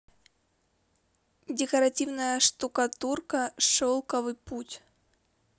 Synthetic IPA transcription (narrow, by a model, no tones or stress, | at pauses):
dʲɪkɐɾɐtʲivnəjəʂt̪ukɐt̪urkəʂolˠkəvɨputʲ